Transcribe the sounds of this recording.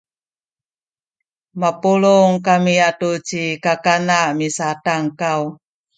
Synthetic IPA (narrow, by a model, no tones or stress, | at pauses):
mapulʊŋkamiatut͡ʃikakanamisataŋkaw